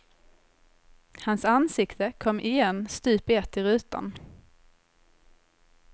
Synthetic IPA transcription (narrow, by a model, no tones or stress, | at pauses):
hansansɪkt̪əkʰɔmːʔɪjɛnːst̪ʉːpɪɛt̪ːɪɾʉ̟ːt̪a̰n